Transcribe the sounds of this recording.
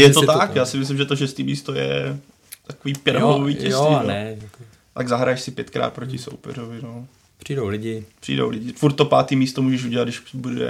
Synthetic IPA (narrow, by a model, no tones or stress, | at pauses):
jɛt̪ot̪akjaːsɪmɪs̬lɪmʒɛt̪oʃɛst̪iːmiːst̪ojɛ̰ | t̪akoviːpjɛɾɦooviːcɛjionɛjak | t̪aɡzaɦɾajɛʃsɪpjɛt̪kɾa̰ːt̪̚pɾocɪso̰wpɛ̰rovɪno | pr̥idowlɪɟɪpr̝̥ḭːdo̰wlɪɟɪfuɾt̪ːopa̰ːt̪iːmiːst̪omuːʒɛʃuɟɛlad̪dɪʃbudɛ̰